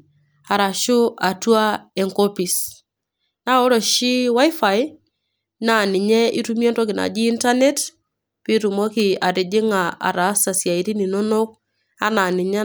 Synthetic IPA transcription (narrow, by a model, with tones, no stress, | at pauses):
a˨ɾa˨ʃʊ˦a˨twa˦ɛ˨ŋkɔ˦pi˨s | na˦ɔ˦ɾɔ˨ʃi˦wa˦jfa˨j | na˨nɪ˨ɲɛ˦ʔḭ˦tu˦mjɔ˦ntɔ˦k̬ɪ˨na̰˨d͡ʒiː˦nta˦ne˦t | pi˦ɾu˨mɔ˦kɪ˨a˨ɾɪ˨d͡ʒɪ˦ŋa˨a̰˨ɾa˨˦sa˨sja˨i˦ɾi˦ni˨no˦no˦k̚ | a̰˦na˨nɪ˨ɲa˦